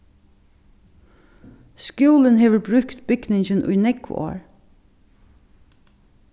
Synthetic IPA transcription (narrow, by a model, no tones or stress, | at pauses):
skjuːlənɦeːʋəɹbɾʉkt̪bʏɡnɪŋçənʔʊ̰jnɛkʊ̰o̰ːɹ